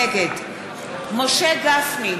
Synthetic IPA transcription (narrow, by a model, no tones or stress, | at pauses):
ɛɡɛd̪ | mɔʃɛɡasmi